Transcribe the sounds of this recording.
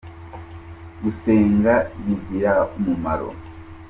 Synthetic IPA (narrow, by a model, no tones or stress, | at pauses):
ɡuseːŋɡaβivɡiɾakumuma̰ɾo̰